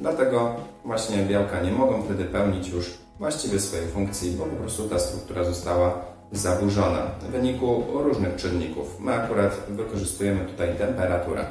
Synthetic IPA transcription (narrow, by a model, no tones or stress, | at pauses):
d̪lat̪ɛɡɔvwaɕɲɛbʲjawkaɲɛmɔɡɛ̃ft̪ɛd̪ɘpɛwɲit͡ɕjuʂ | vwaɕt͡ɕivʲjɛsfɔjɛjfuŋkt̪sʲjibɔpɔpɾɔst̪ut̪ast̪ɾuk̚t̪uɾazɔst̪awa | zabuʐɔna̰vɘɲikuɾuʐnɘxt͡ʂɪnɲikṵfmɘakuɾat̪vɘkɔʐɘst̪ujɛmɘt̪u̥t̪ajt̪ɛmpɛɾat̪uɾɛ̰